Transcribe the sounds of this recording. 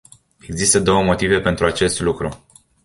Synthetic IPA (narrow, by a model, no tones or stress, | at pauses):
e̞ɡzist̪əd̪o̞wəmo̞t̪ive̞pe̞nt̪ɾuat͡ʃe̞st̪lukɾu